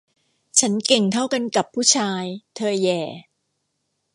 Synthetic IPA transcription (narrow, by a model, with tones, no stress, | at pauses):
t͡ɕʰa˦˥nke˨˩ŋt̪ʰa˥˩wka˧nka˨˩pʰːuː˥˩t͡ɕʰaː˧jt̪ʰɤː˧jɛː˨˩